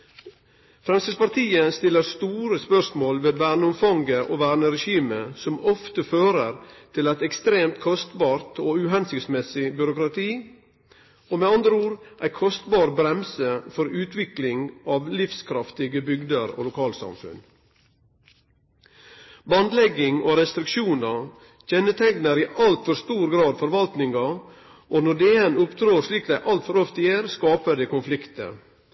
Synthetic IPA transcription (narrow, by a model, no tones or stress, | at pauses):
fɾɛmst̪əspɑɾt̪ʰiːəst̪ɪlːəɾst̪uːɾəspœʂmoːlʋeːʋæːɳəʊmfɑŋɡəʔoːʋæːnəɾɛʃiːməsɔmɔft̪əføːɾəɾt̪ʰɪlæɪt̪ɛkst̪ɾeːmt̪kʰɔst̪bɑːɾt̪ʰoːʉɦɛnsʏksmɛsɪbʏɾʊkɾɑt̪ʰiː | oːmeːɑnd̪ɾəuːɾʔæ̰ɪkʰɔst̪bɑːɾbɾɛmsəfɔɾʉːt̪ʰʋɪklɪŋɑːʋlɪfskʰɾɑft̪ɪɡəbʏɡd̪əɾo̰ːlʊkʰɑːlsɑ̰mfʉ̰n | bɑnd̪lɛɡɪŋo̰ːɾɛst̪ɾɪkʃuːnɑ | çɛnət̪ʰɛŋnəɾiːʔɑlt̪fɔɾst̪uːɾɡɾɑːd̪fɔɾʋɑlt̪nɪŋɑ | ʔoːnɔɖeenʊpt̪ʰɾoːɾʂliːkd̪æɪʔɑlt̪fɔɾɔft̪əæːɾskɑːpəd̪eːkʊnflɪkt̪ə̰